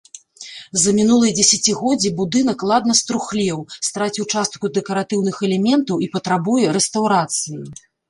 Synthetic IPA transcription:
zɐmʲinulˠɨjɐd͡zʲɛsʲat͡sʲiɣɔd͡zʲibud̪ɨn̪ɐklˠad̪nɐst̪ɾuxlʲɛwst̪ɾat͡sʲiwt͡ʂast̪̚kud̪ɛkɐɾat̪ɨwnɨxɛlʲɛmʲɛnt̪ɐwipɐt̪ɾabujɛɾɛst̪awɾat̪sɨji

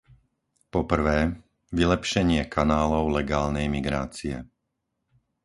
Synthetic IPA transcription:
pɔpr̩ʋɛː | ʋilɛpʃɛɲɪɛkʰanaːlɔʊlɛɡaːlnɛjmiɡɾa̰ːt͡siɛ̰

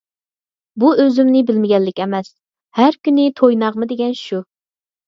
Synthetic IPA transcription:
buøzymnɪbɪlmɪɡʲɛlːɪkʲɛmɛs | hæɾkʲynɪt̪ʰojnɑʁmɨd̪eɡʲɛnʃu

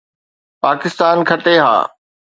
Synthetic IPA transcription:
paːkɪst̪aːnkʰɐʈeɦa̰ː

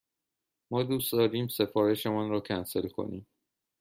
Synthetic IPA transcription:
mɒːd̪uːsd̪ɒːɾiːmse̞fɒːɾe̞ʃemɔnɾɒːcʰænse̞lkʰo̞̰nḭːm

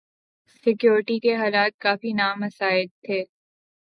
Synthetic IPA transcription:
sɪkjoːɾɪʈikeɦaːlaːt̪̚kaːfinaːmɐsaːɪlt̪ʰːeː

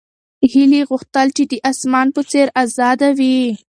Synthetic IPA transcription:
hiliɣʊxt̪əlt͡ʃed̪əʔasmɑnpət͡seɾazɑd̪awi

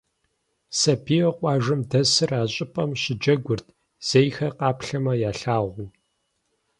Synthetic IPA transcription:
sɐbʰioqʷʼɑːʒɨmdɐsɨraːɕʼɪpʼɐmɕɪd͡ʒɐɡʷʊrtʰ | z̥ejxɐqɑːpɬɐmɐjaːɬaːʁʷu

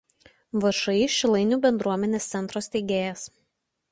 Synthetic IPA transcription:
ʋɐʃɐɪʃʲɪlˠɐɪnʲuːbʲɛnd̪ɾuɔmʲɛnʲeːst̪sʲɛnt̪ɾosʲt̪ʲɛɪɡʲeːjɛs

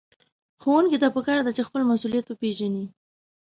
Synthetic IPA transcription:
xowəŋkid̪ɑpəkɑɾd̪at͡ʃexpəlmasulijat̪wəpeʒani

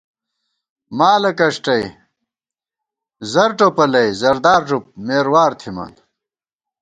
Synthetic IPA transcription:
maːlɐkɐʂʈɐj | zɐɾʈopɐlɐjzɐɾd̪aːɾʐup̚meːɾwaːɾt̪ʰimɐ̰n

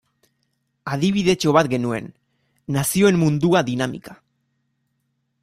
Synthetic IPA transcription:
aðiβ̞iðe̞t͡ʃo̞β̞at̪ɡe̞nue̞̰nː | asio̞e̞mmund̪uaðinamḭkḁ

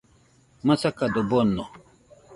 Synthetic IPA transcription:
masakad̪obonːɔ

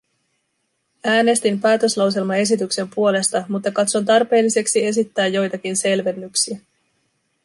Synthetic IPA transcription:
æːne̞st̪impæːt̪ø̞slɑws̬e̞lmɑe̞s̬it̪ykse̞mpuo̞le̞st̪ɑmut̪ːɑkɑt̪so̞nt̪ɑrpe̞ːlːise̞ksie̞s̬it̪ːæːjːo̞jt̪ɑkinse̞lʋe̞nːyksiæ

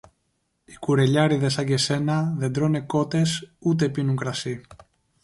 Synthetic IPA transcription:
ikuɾe̞ʎɐɾiðe̞sɐɟe̞se̞nɐðe̞nd̪ɾo̞ne̞ko̞t̪e̞sut̪̬e̞pinuŋkɾɐsi

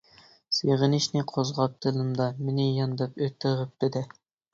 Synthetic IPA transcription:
seʁənɪʃnɪqʰozʁɑp̚d̪̥ɨlˠɨmd̪ɑmɪnɪjɑnd̪ɨpøt̪ʰːɪɾəp̚d̪̥ɪd̪ɛ

